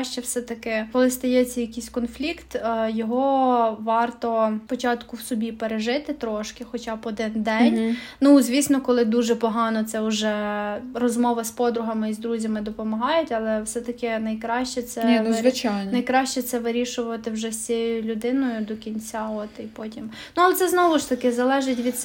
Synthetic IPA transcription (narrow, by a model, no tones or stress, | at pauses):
ʃt͡ʃɛwsɛt̪ɐkɪkɔlˠɪst̪ɐjɛt͡sʲːɐjɐkʲijsʲkɔnflʲikt̪ːjɔɦɔʋɑrt̪ɔpɔt͡ʃɑt̪kʊwsɔbʲipeɾeʒɪt̪ɪt̪ɾɔʃkɪxɔt͡ʃɑpɔd̪ɪnd̪ɛnʲnuzʲʋʲisnɔkɔlˠɪd̪uʒɛpɔɦɑnɔt̪sɛʊʒɛrɔzmɔʋɐspɔd̪ɾʊɦɐmɪizd̪ɾuzʲɐmɪd̪ɔpɔmɐɦɑjʊtʲɐlˠɛwsɛt̪ɐkɪnɐjkɾɑʃt͡ʃɛt̪sɛzʋɪt͡ʃajnnɐjkɾɑʃt͡ʃɛt̪sɛʋɪɾʲiʃʊʋɐt̪ɪwʒɛsʲt͡sʲijjʊlʲʊd̪ɪnɔjʊd̪ɔkʲinʲt͡sʲaɔt̪ipɔtʲim | nuɐlˠɛt̪sɛznɔʋʊʃt̪ɐkɪzɐlˠɛʒɪtʲʋʲid̪